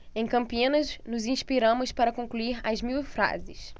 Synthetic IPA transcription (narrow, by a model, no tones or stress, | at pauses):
ẽj̃kɐ̃mpiĩnɐznʊzĩʃpiɾɐ̃mʊʃpaɾɐkõŋkluiɾɐzmiwfɾa̰zɪs